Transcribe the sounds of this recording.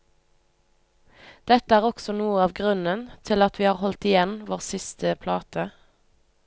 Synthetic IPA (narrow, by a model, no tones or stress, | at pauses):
d̪̥ɛt̪əæːʁɔksɔnuːəɑːʋɡʁʉnənt̪ʰɪlɑt̪ʰʋiːhɑːʁhɔlt̪ɪjɛnʋoːʁsɪst̪ʰəpʰlɑːt̪ʰə